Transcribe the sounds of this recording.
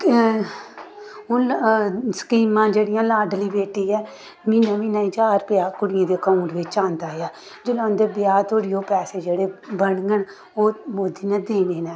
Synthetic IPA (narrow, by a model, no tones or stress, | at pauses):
olsə̥kiːmãːd͡ʒeːɽɪjãːlaːɖliːbeːʈiːɛː | miːnãːmiːnãːĩːt͡ʃaːɾpjaːkʊɽɪjãːd̪eːkauɳʈʋɪt͡ʃãːnd̪aːɦejaː | d͡ʒəlãːnd̪eːbɪjaːt̪ʰoːɽiːoːpɛːseːd͡ʒeːɽeːbəɳɡəɳ | oːmoːd̪iːnɛ̃ːd̪eːneːnɛː